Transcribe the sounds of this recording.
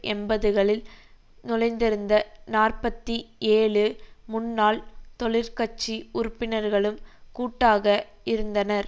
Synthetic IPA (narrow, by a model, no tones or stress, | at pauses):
ʔɛnbɐðɯɣɐɭɪl | nʊlɐɪnd̪ɪɾɯnd̪ɐnaːrpɐt̪ːieːɭɯmʊnːaːlt̪ɔɭɪɾkɐt͡ʃːiʊɾɯpːɪnɐɾɣɐɭɯmkuːʈːaːɣɐ | ɪɾɯnd̪ɐnɐɾ